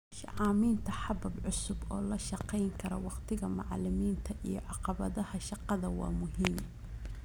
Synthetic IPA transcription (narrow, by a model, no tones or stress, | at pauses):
ʃɐ̰ʕɑːmiːnt̪ʰɐħɑbɐbʕʊsʊbɔːlɐʃɑqɛjŋkʰɐɾɔ̰wɑqt̪ʰɪɣɐmɑʕlɪmiːnt̪ʰɐʔijɞʕɑqɑβɐðɐhɐʃɑqɑðɐwɑ̰ːmʊɦiːm